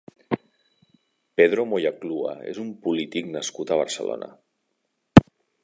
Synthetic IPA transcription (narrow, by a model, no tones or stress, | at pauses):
peðɾomojakluə̰ḛzumpulit̪iknəskut̪əβ̞ə̰ɾsəlo̰nə̰